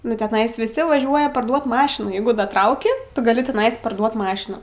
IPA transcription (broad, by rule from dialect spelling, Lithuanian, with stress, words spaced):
nʊ tʲɛˈnɐɪs ʋʲɪˈsʲɪ ʋɐˈʒʲuɔjɛ pɐrˈduɔt ˈmɑːʃʲɪnuː ˈjɛɪɡʊ dɐˈtrɐʊkʲɪ ˈtʊ ɡɐˈlʲɪ tʲɛˈnɐɪs pɐrˈduɔt ˈmɑːʃʲɪnuː